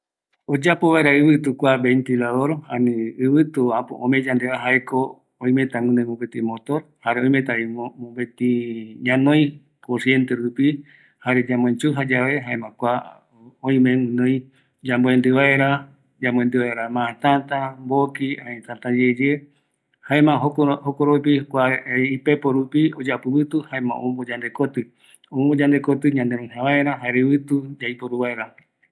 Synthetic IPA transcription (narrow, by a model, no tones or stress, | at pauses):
od͡ʒapo̞βaeɾaɨβɨt̪ukʷabent̪ilaðoɾhãnĩɨβɨt̪uãpõ̰ʔõmẽd͡ʒãnd̪eaɦaeko | õĩmẽt̪ãŋɨ̃nõjmõpet̪ĩmot̪oɾhaɾeõj̃mẽt̪aimõpet̪ĩɲãnõj̃ | kosie̞nt̪eɾupi | haɾed͡ʒãmõẽt͡ʃuɦad͡ʒaβeɦaẽmãkʷa | õĩmẽŋɨ̃nõj̃ | d͡ʒamboend̪ɨβae̞ɾa | d͡ʒamõẽnd̪ɨβaeɾamããt̪ãt̪ambokiãɲẽt̪ãt̪ad͡ʒed͡ʒe | haẽmãɦohokoɾop̬ikʷaipepoɾupiod͡ʒapɨβɨt̪uhaẽmã̰ʔõ̰mõmbod͡ʒãnd̪e̞kot̪ɨ | õm̃mbod͡ʒãnd̪ekot̪ɨɲãnd̪eɾ̃õj̃ɦãβaeɾaɦaeɾeβɨt̪ud͡ʒaipoɾuβaeɾa